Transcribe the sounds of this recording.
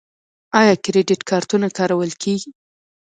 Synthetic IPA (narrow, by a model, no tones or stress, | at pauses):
ɑjɑkɾeɖɪʈkʰɑɾt̪unakɑɾawəlkʰeɡi